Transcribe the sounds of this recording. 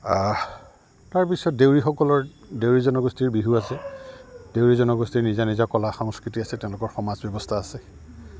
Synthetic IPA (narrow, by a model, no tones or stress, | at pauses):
taɹpisɔt̚dewɹixɔkɔlɔɹdewɹizɔnɔɡɔstiɹbiɦuasɛ | d̥ewɹizɔnɔɡɔstiɹnizanizakɔlaxɔŋskɹitiasɛteʊ̃lʊkɔɹxɔmazbɔbɔstʰaːsɛ